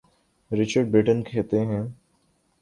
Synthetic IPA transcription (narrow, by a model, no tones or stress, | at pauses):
ɾɪt͡ʃəɾɖ̚bɾɪʈənkʰeːt̪eɦɛ̃ː